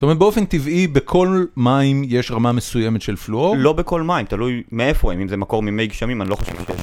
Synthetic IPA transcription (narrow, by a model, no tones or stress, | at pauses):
tomet̪̚beo̞fe̞nt̪ivibekʰo̞lmaimje̞ʃʁamame̞suje̞met̪ʃelfluollo̞beko̞lmaimt̪alujmeefoimimzemako̞ʁmimejɡʃamimaniloχoʃevʃejeʃ